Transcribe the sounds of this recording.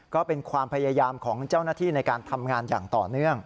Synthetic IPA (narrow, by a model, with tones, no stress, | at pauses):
kɔː˥˩pe˧nkʰwaː˧mpʰa˧jaː˧jaː˧mkʰɔː˩˦ŋt͡ɕaː˥˩wnaː˥˩t̪ʰiː˥˩na˧jkaː˧nt̪ʰa˧mŋaː˧nja̰ː˨˩ŋt̪ɔ̰ː˨˩nɯ˥˩əŋ